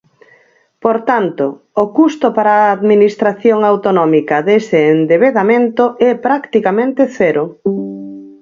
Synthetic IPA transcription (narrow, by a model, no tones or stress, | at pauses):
poɾt̪ant̪oː | kust̪opaɾaːðminist̪ɾaθjoŋawt̪onɔmikɐðeseːnd̪eβeðamẽnt̪oʔɛpɾakt̪ikamẽnt̪eθɛɾo